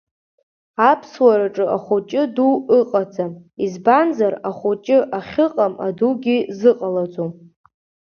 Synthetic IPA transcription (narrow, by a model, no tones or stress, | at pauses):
apʰswaɾaʈ͡ʂʼɨaχʷot͡ʃʼɪduɨqʼad͡zamizbanzaraχʷot͡ʃʼɪʔaχʲɨqʼama̰duɡʲizɨqʼalad͡zom